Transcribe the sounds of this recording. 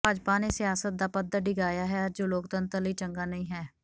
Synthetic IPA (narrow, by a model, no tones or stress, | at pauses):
aːd͡ʒpaːneːsɪjaːsət̪̚d̪aːpəd̪əɖɪɡaːjaːɦɛːd͡ʒoːloːk̚t̪ənt̪əliːt͡ʃəŋɡaːnəĩːɦɛː